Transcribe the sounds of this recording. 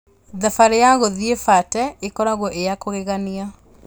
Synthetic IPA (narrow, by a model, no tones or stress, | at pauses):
ðafaɾejaɣoðiefatɛekɔɾaɣoʔejakoɣeɣania